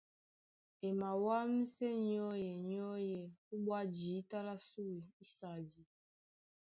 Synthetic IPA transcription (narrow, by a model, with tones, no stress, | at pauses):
e˨ma˨wa˦m˦sɛ˦ɲ˦ɔ˦jɛ˨ɲɔ˦jɛ˨u˦ɓwa˦d͡ʒi˨˦ta˦la˦su˦wi˨i˦sa˨d͡ʒi˨